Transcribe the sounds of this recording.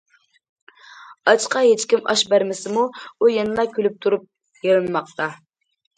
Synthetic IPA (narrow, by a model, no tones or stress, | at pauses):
ɑt͡ʃqɑɦet͡ʃkʲimʔɑ̰ʃbæɾmɪsɪmuujɛnɨlˠɑkʲʰølyp̚t̪ʰuɾup̚ | jelˠɨnɨmɑq̚t̪ʰɑ